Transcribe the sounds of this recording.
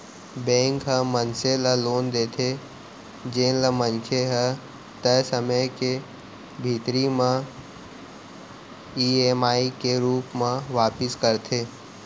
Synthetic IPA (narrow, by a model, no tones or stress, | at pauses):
bẽːŋkɦə̃mənseləloːnd̪eːt̪ʰe | d͡ʒeːnləmə̃nkʰeɦə | t̪əjsəməjke | bʱiːt̪ɾimã | iːeːmaːikeɾuːpmãʋaːpɪskəɾt̪ʰeː